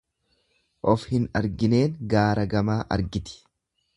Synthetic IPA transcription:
ʔɔfhɪnɐɾɡɪne̞ːŋɡaːɾɐɡɐmaːʔɐ̰ɾɡɪt̪ɪ̥

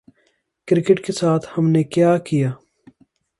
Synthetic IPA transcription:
kɾɪkɪʈkesaːt̪ʰhɐmnekjaːkijaː

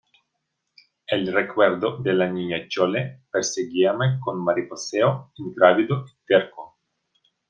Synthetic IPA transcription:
elrekweɾd̪od̪elaɲiɲat͡ʃolepeɾseɡiamekonmaɾiposeoiŋt̪ɾavid̪oit̪eɾko

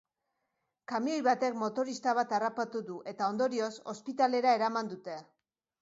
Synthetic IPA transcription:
kamio̞jβat̪e̞kmo̞t̪o̞ɾist̪aβ̞at̪arapat̪uðuʔe̞t̪ao̞nd̪o̞ɾio̞so̞̰spit̪ale̞ɾae̞ɾamand̪ut̪e̞

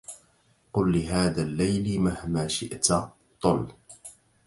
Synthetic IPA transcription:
qʊlːɪɦaːðaːlːajlmahmaːʃɪʔt̪ | t̪ˤʊl

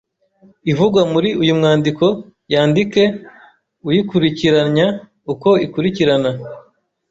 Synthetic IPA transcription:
ivuɡwamuɾiʔujumŋaːndiko̞ | jaːndike̞ | ujikuɾiciɾaɲɲa | uko̞ikuɾiciɾana

